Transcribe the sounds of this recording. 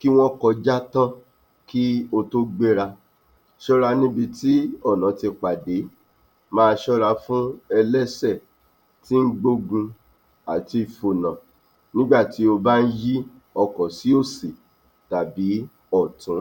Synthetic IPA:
ki˦w̃ɔ̃˦kɔ˧d͡ʒa˦tã˦ | ki˦o˧to˦ɡ͡be˦ɾa˧ | ʃɔ˦ɾa˧nĩ˦bi˧ti˦ɔ˦˨nã˨˦ti˧k͡pa˨de˨˦ | mãː˦˧˦ʃɔ˦ɾa˧fũ˦ɛ˧lɛ˦sɛ˦˨ | ti˦ŋ̩˦ɡ͡bo˦ɡũ˧ | a˨ti˧i˧˨fo˧nã˨ | nĩ˦ɡ͡ba˦˨ti˨˦o˧ba˦n̩˦ji˦ | ɔ˧kɔ˨si˨˦o˦˨se˨ | ta˨bi˨˦ | ɔ˦˨tũ˨˦

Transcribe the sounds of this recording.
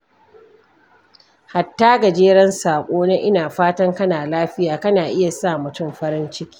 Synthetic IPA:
ha˨tːaː˦ɡa˨d͡ʒeː˦ɽɐ˦nsaː˨kʷʼoː˦na˦ʔɪ˦naː˨ɸaː˦tɐ˦ŋkɐ˦naː˨laː˦ɸɪ˦jaː˨kɐ˦naː˨ʔɪ˦ja˨saː˦˨mʊ˨tʊ˦˨mɸɐ˦ɾɪ˦nt͡ʃɪ˦kʲi̥ː˦

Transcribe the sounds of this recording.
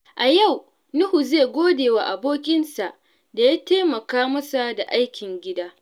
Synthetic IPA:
ʔa˨ja˦˨w | nʊ˦hu˨zeː˦˨ɡʷoː˦deː˨wa˨ʔa˨boː˦kʲʼɪ˦nsa˨ʔ | da˨ja˦teː˦mɐ˨kaː˦mɐ˦sa˨da˨ʔa˦jkʲɪ˨ŋɡʲɪ˦daː˦

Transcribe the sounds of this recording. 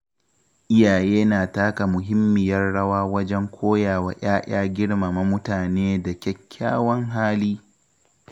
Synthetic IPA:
ʔɪ˦jaː˨jeː˦naː˨taː˦ka˨mʊ˨ɦɪ˦mːɪ˨jɐ˦rɽɐ˦waː˦wɐ˦d͡ʒɛ˦ŋkʷʰoː˦jaː˨wa̰˨j̰aː˦j̰ʲaː˦ɡʲɪ˦ɽma˨ma˦mʊ˦taː˨neː˦da˨kʲɛ˦kʲʰːaː˦wɐ˦ŋɦaː˦liː˦

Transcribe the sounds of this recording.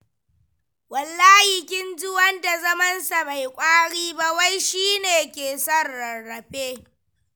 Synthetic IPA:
wɐ˨lːaː˦hɪ˨kʲɪ˦nd͡ʒʊ˦wɐ˦nda˨zɐ˦mɐ˦nsa˨ma˨jkʷʼaː˦ɽiː˦ba˦wa˦jʃiː˦neː˨kʲeː˨sɐ˦rːɐː˨ɐ˨ɸeː˦

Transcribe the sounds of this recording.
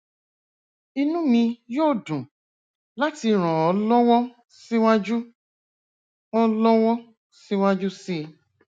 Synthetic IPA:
i˧nũ˦mĩ˧joː˦˨dũ˨ | la˦ti˧ɾ̃ɔ̃˨ɔ˨˦lɔ˦wɔ˦ | si˦wa˦d͡ʒu˦ | ɔ˦lɔ˦wɔ˦ | si˦w̃a˦d͡ʒu˦si˦˧

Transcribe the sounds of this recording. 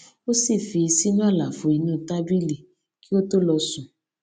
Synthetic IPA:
o˦si˦˨fi˧i˧si˦nũ˦a˦˨la˨fo˧i˧nũ˦˨ta˦bi˦li˨ | ki˦o˦to˦lɔ˧sũ˨

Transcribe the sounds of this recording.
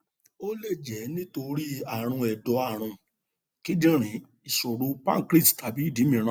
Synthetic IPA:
o˦le˦˨d͡ʒɛ˨˦nĩ˦to˧ɾi˦a˦˨ɾ̃ũ˧ɛ˨dɔ˨˦a˨ɾ̃ũ˧ | ki˦dĩ˦ɾ̃ĩ˨˦ | i˨ʃo˨ɾu˧pa̰˦kɾi˦˨tta˨˦bi˨˦˨di˨˦mĩ˧˨ɾ̃ã˧˦

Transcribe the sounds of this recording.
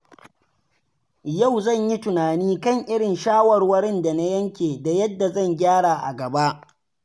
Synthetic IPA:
ja˦˨wzɐ˦˨ɲji˦tʊ˨naː˨niː˦kɐ˦˨ŋʔɪ˦ɽɪ˨nʃaː˦wɐ˨rwɐ˦ɾɪ˦nda˨na˦jɐ˦ŋkʲeː˨da˨jɐ˦dːa˨zɐ˦˨ŋɡʲaː˦ɽa˨ʔa̰˨ɡɐ˨ba˦ʔ

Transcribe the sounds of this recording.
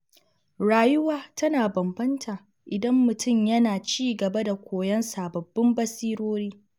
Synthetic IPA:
ɽaː˨jʊ˦waː˦tɐ˦naː˨bɐ˨mbɐ˦ntʰaː˨ | ʔɪ˨dɐ˦mːʊ˨tʰʊ˦˨mjɐ˦naː˨t͡ʃiː˦ɡɐ˨bɐ˦da˨kʷoː˨jɐ˦nsa˨bɐ˨bːɪ˦mbɐ˦siː˦ɾoː˦ɽiː˦

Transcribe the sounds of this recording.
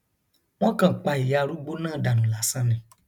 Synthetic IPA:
w̃ɔ̃˦kã˦˨k͡pa˨i˨ja˨˧˨ɾu˦ɡ͡bo˦nãː˦˨da˨nũ˨la˨˦sã˦nɛ̃˨

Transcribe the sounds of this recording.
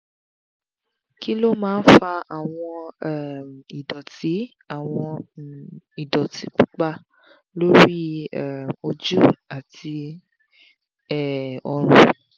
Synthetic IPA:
ki˦lo˦mãː˨˦n̩˦fa˧a˨w̃ɔ̃˧ɛ˨mi˨dɔ˨ti˨˦ | a˨w̃ɔ̃˧ | i˨dɔ˨ti˨˦k͡pu˦k͡pa˦ | lo˦ɾi˦ɛ˨o˨d͡ʒu˦a˨ti˧ | ɛ˦ɔ˨ɾ̃ṵ̃˦

